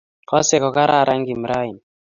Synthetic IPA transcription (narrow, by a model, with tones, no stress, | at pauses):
kɔ˦sɛ˨kɔ˨ka˦ɾa˦˨ɾa˦ŋɡi˨m˨ɾa˦i˨n